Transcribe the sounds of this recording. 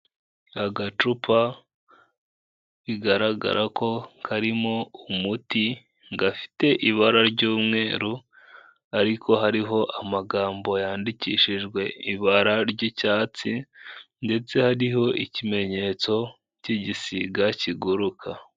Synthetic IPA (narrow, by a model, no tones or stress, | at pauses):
aɡat͡ʃupa | βiɡaɾaɡa̰ɾʔako̞kʰaɾimo̞umuti | ŋɡafi̥te̞ʔiβaɾaɾɟuːmŋe̞ːɾu | aɾikʰo̞ɦaɾiɦo̞ʔamaɡaːmbo̞jaːndiciːʃiʒɡwe̞iβaɾaɾɟicaːt͡sinde̞t͡se̞haɾiɦo̞ʔicime̞ɲe̞t͡so̞ | ciɟisiɡaciɡuɾukʰa